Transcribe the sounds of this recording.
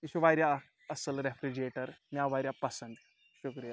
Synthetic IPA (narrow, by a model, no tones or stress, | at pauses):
iɕuʋajɾja | əsəlɾefɾid͡ʑieʈəɾmjaʋajɾʲjapəsənd̪ | ɕukɾija